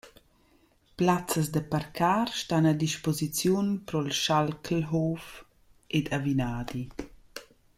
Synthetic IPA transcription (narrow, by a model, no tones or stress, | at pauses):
plat͡səs̬d̪əpaɾkʰaːɾʃtanad̪iʃpozit͡sjunpɾɔlʃalklɦof | ʔedavinaːd̪i